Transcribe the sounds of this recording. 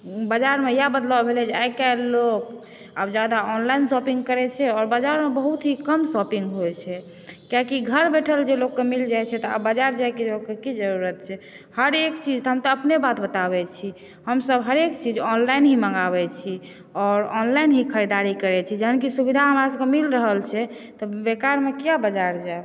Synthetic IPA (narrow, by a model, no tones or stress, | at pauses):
bəd͡ʒaɾmejabəd̪labbʱelɛd͡ʒeajkalok | əbd͡ʒad̪aɔnlainsɔpĩŋɡkəɾɛt͡ʃʰɛɔɾbad͡ʒaɾmebəɦut̪ɦikəmsɔpiŋɡɦojt͡ʃʰɛ | kjakiɡʱəɾbeʈʰəld͡ʒelokːemild͡ʒajt͡ʃʰɛt̪ɔa̰bad͡ʒaɾd͡ʒajked͡ʒelokːekid͡ʒəɾuɾət̪̚t͡ʃʰɛ | həɾekt͡ʃid͡ʒt̪ɦəmt̪ɔəpnebat̪bət̪aβɛt͡ʃʰi | həmsəbɦəɾekt͡ʃid͡ʒɔnlainɦiməŋɡaβɛt͡ʃʰi | ɔɾɔnlainɦikʰəɾid̪aɾikəɾɛt͡ʃʰid͡ʒəɦənkisubid̪ʱaɦəmɾasə̃kemilɾəɦəlt͡ʃʰɛ | t̪ɔbekaɾmekijabəd͡ʒaɾd͡ʒae